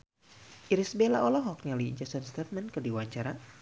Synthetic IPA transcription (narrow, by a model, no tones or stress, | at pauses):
ʔiɾisbelaʔɔlɔɦɔk̚ɲalid͡ʒasɔnst̪ɛt̪̚mɛnkədiwaɲt͡ʃaɾa